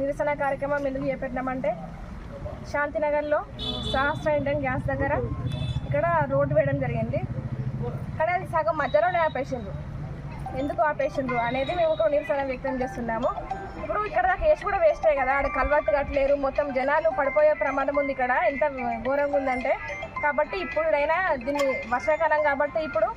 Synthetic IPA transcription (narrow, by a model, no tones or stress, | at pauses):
niɾɐʃɐnɐkaːɾjɐkɾɐmɐmend̪ukut͡ʃeːpɛʈːnaːmɐɳʈe̞ː | ʃaːnt̪inɐɡɐɾlo̞ːʃaːsʈɾɐiɳʈɐnɡjaːsd̪ɐɡːɐɾɐikːɐɽɐɾo̞ːɖʋɛːjɐɽɐmd͡ʒɐɾiɡind̪i | kanesaːɡɐmːɐd͡ʒ̪ːɐloːneːaːpeːʂɐnd̪u | e̞nd̪ukuaːpeːʂɐnd̪uɐne̞ːd̪ime̞ːmukoniɾsaːɾɐmʋjɐk̚t̪ɐmt͡ʃe̞ːst̪unːaːmu | ipːuɽuikːɐɽɐnake̞ːʂukuːɽaːʋeːsʈ̪aːjkɐd̪aːɐɽukɐlʋaːʈːuɡɐʈːileːɾumɔt̪ːɐmd͡ʒɛnaːlupɐɽipoːjeːpɾɐmaːd̪ɐmund̪ikːɐɽɐent̪ɐɡoːɾɐŋɡund̪ɐɳʈe̞ːkaːbɐʈːiːpːuɽuɽɐjnaːd̪iːnːiʋɐɾʂɐkaːlɐŋkaːbɐʈːeːipːuɽu